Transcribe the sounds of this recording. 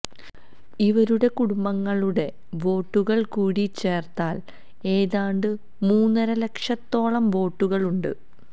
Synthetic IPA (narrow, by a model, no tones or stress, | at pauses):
iʋɐɾuɽe̞kuɽumbɐŋːɐɭuɽe̞ | ʋo̞ːʈːuɣɐɭkuːɽit͡ɕːe̞ːrt̪aːl | e̞ːðaːɳɖɨ | muːnːɐɾɐle̞kʂɐt̪ːo̞ːɭɐmʋo̞ːʈːuɣɐɭuɳɖɨ̰